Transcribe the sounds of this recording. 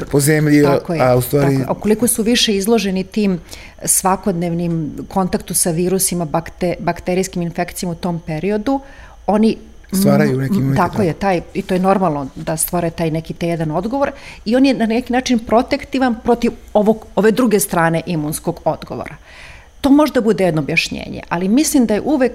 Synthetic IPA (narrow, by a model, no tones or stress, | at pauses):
pozemʎiakojeaust̪ʋaːɾaḭuko̞liko̞suʋiʃeizlˠo̞ʒenit̪iːm | sʋako̞d̪neʋnimkʰo̞nt̪akt̪usaʋiːɾusimabakt̪ebakt̪eɾijskiminfekt̪sijomaut̪o̞ːmpeɾio̞d̪u | o̞ni | t̪aːɾajjuneit̪akojet̪aːjit̪ojeno̞ɾmalˠnod̪ast̪ʋoɾet̪aːjnɛkit̪ejed̪ano̞d̪ɡo̞ʋo̞ɾio̞njenanɛkinaːt͡ʃinpɾo̞t̪ekt̪iʋanpɾo̞t̪iʋoʋoɡo̞ʋe̞d̪ɾuɡest̪ɾaːne̞ʔimunsko̞ɡo̞d̪ɡoʋo̰ɾa | t̪o̞ːmoʒed̪abud̪ejed̪noːbjaʃɲḛːɲḛʔalimislimd̪ajḛʔuʋek